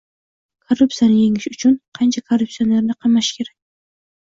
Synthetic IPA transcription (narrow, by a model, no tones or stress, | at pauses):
kʰorːupsijanɨjeŋɪʃʊt͡ʃʰʊnqʰɑnt͡ʃʰakʰorup̚sijonleɾnɪqʰɑmaʃkʲʰe̞ɾɛkʲ